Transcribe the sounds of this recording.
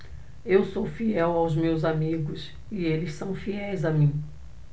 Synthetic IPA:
ewsowfiɛwawzmewzamiɡʊs | ɪelɪssɐ̃w̃fiɛjzɐmĩ

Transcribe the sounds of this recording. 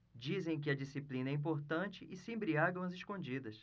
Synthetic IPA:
d͡ʒizẽj̃k̬ɪɐd͡ʒisiplĩnɐɛĩmp̬oɾt̪ɐ̃t͡ʃɪʔɪsɪẽbɾiaɡɐ̃w̃ɐzɪʃkõd͡ʒid̪ɐs

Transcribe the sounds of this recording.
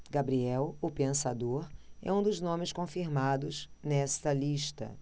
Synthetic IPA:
ɡabɾiɛwʊpẽsad̪oɾɛ̰ũd̪ʊznõmɪskõfiɾmad̪ʊznɛsɐliʃt̪ɐ̰

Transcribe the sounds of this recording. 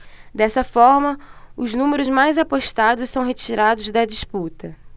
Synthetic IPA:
d̪ɛsɐfɔɾmɐʊznũmeɾʊzmajzapoʃt̪ad̪ʊssɐ̃w̃ɦet͡ʃiɾad̪ʊzd̪ɐd͡ʒisput̪ɐ

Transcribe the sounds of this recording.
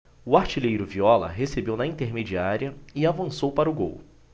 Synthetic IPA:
ʊaɾt͡ʃilejɾʊviɔlɐ̰ɦesebewnɐĩnt̪eɾmed͡ʒiaɾiɐɪavɐ̃sowpaɾɐʊɡo̰w

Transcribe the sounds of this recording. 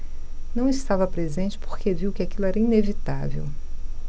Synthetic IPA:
nɐ̃w̃ɪst̪avɐpɾezẽnt͡ʃɪ̥poɾkeviwkɪakilʊɛɾɐinevit̪a̰vḛw

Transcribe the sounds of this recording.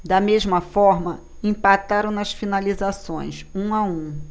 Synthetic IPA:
d̪ɐmezmɐfɔɾmɐ | ĩpat̪aɾɐ̃w̃nɐsfinalizasõ̰j̃sũaũ

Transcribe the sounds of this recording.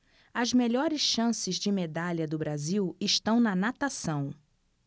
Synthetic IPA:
ɐzmeʎɔɾɪsʃɐ̃sɪzd͡ʒɪmed̪aʎɐd̪ʊbɾaziwɪʃt̪ɐ̃w̃nɐnat̪asɐ̃w̃

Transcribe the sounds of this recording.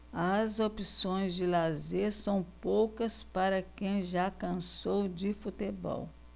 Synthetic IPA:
ɐzopisõj̃zd͡ʒɪlazesɐ̃w̃powkɐspaɾɐkẽj̃ʒakɐ̃sowd͡ʒɪfut̪ebɔ̰w

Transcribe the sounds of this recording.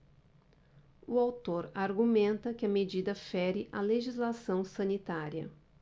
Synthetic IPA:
uawt̪oɾaɾɡumẽnt̪ɐkɪɐmed͡ʒid̪ɐfɛɾɪʔaleʒizlasɐ̃w̃sɐ̃nit̪aɾiɐ̰

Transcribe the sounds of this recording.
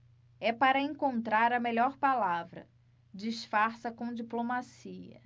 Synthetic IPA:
ɛpaɾɐẽŋkõnt̪ɾaɾɐmeʎɔɾpalavɾɐ̰ | d͡ʒiʃfaɾsɐkõd͡ʒiplomasiɐ̰

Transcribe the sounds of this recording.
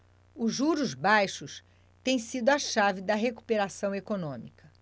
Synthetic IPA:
ʊʒuɾʊzbajʃʊs | t̪ẽj̃sid̪ʊɐʃavɪd̪ɐɦeku̥peɾasɐ̃w̃ekonõmikɐ

